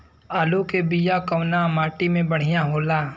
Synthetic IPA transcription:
aːlokebijakɐwnamaːʈimẽbɐɽ̤ɪjaɦoːlaː

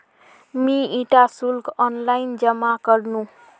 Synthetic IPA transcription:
miiʈasulkɔnlajnd͡ʒəmakəɾnũ

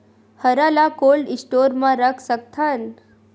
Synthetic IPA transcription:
həɾalakoːlɖɪsʈoɾmãɾəkʰsəkt̪ʰan

